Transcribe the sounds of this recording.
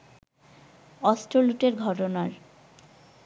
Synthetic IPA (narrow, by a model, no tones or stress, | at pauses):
ɔsʈɾoluʈeɾɡʱɔʈonaɾ